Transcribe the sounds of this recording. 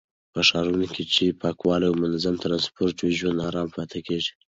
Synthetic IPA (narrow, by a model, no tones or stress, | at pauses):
pəʂɑɾunokʲit͡ʃepʰɑkwɑliwmʊnazamt̪ɾɑnspoɾtweʒwand̪ɑɾɑmpʰɑt̪ʰakeʐi̥